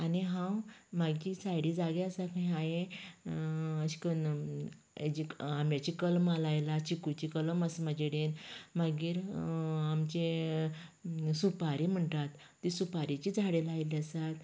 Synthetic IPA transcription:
aniɦãwmaɡiːsajɽid͡zaɡeasakʰaj̃ajẽ | əɕi̥kən | ed͡ʑiamjat͡ɕikəlmalajlaɕikut͡ɕikələməsmad͡ʑeɽenmaɡiːɾamt͡ɕe | supaɾim̤əɳʈat̪ːisupaɾit͡ɕid͡zʱaɽelajliəsat̪

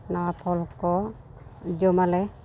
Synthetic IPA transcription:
nawapʰɔlkɔ | d͡ʒɔmalɛ

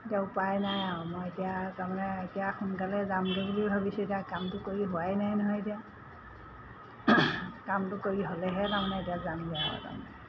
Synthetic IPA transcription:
etiaʊpajnajaʊ̃mɔjetijataɹmanɛetijaxʊnkalɛzamɡeɡulibʱabisetiakamtʊkoɹiɦoajnajnɔɦɔjetija | kamtʊkoɹiɦolɛɦɛtaɹmanɛetijazamaɦɔ̰ta̰mɛ

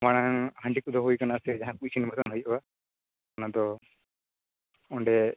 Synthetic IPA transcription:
maɽ̃aŋhaɳɖikud̪ɔɦujkanasɛd͡ʒaɦãkut͡ʃʰinmat̪ɔnɦujba | kanad̪ɔ | ɔɳɖɛ

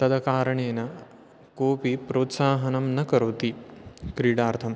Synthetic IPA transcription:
t̪ɐd̪ɐkaːɾɐɳeːnɐ | koːpipɾoːt̪saːɦɐnɐmnɐkɐɾoːt̪ikɾiːɽaːɾt̪ʰɐm

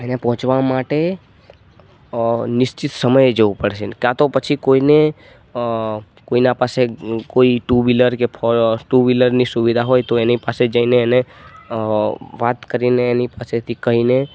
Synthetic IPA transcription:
enepɔɦʊ̃t͡ʃʋamaʈe | nɪʃt͡ʃit̪səməjd͡ʒoʋupəɽʃekjãt̪opət͡ʃʰikoine | koinapasekoiʈubiləɾkepʰɔɾʈuʋiləɾnisuʋid̪ʱaɦojt̪oenipased͡ʒəineːne | ʋat̪kəɾineːnipaset̪ʰikəɦine

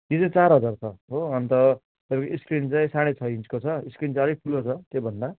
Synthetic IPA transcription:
jit͡saĩt͡saɾɦʌd͡zart͡sʰʌɦoʌnt̪ʌ | t̪ʌbãkoiskrint͡saĩsaɽ̃et͡sʰʌint͡skot͡sʰʌiskrint͡sʌɾipʰulot͡sʰʌt̪jebʱʌnd̪a

